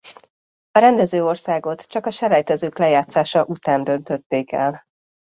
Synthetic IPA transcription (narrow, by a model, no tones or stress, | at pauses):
ɒɾɛnd̪ɛzøːo̞rsaːɡo̞t̪t͡ʃɒkɒʃɛlɛjt̪ɛzøːklɛjaːt̪saːʃɒʔut̪aːnd̪ø̞nt̪ø̞t̪ːeːkɛ̰l